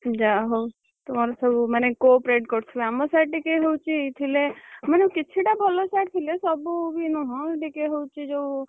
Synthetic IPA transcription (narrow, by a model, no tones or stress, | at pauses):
d͡ʒaɦow | t̪umaɾosɔbumənekopɾeʈkɔɾt͡ʃʰuamosajʈʈikeɦowt͡ʃʰit̪ʰileməneukɪt͡ʃʰiʈabʱɔlosajʈt̪ʰilesɔbubʱinũɦɔ̃ʈikeɦowt͡ʃʰid͡ʒo